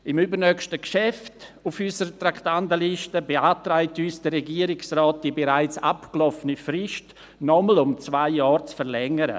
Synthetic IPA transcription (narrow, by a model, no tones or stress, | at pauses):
ɪmybəɾnœkʃtəkʃɛftʊfysəɾətɾaktandəliʃtəbeaːtɾaɪtyːsd̥ərɛɡiːəɾɪksrɔːt̚d̥ibeɾaɪt͡sa̰pklɔfənifɾɪʃt | nɔməlʊmt͡svaɪjaːɾt͡sfəɾlɛŋəɾə̰